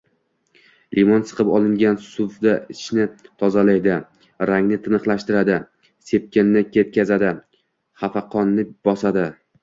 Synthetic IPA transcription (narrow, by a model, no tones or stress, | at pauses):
lʔimɒnsɨ̥qʰɨpɒlˠɪŋɡʲansʊfd̪aʔɪʃnɪt̪ʰɒzalajd̪ɪ | ɾaŋnɪt̪ʰɪnɨχlˠaʃt̪ɪɾad̪ɪ | se̞p̚kʲɪnːɪkʲʰe̞t̪̚kʲazad̪ɪ | χafaqʰɒnːɪbɒsad̪ɪ